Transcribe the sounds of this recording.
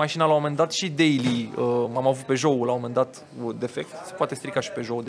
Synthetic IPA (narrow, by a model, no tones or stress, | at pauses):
aʃinalawomend̪at̪ʃid̪e̞jliəmamavut̪̚pe̞ʒo̞ulawo̞me̞nd̪at̪ | d̪e̞fe̞k̚t̪se̞̥poat̪est̪ɾikaʃi̥pe̞ʒo̞w̪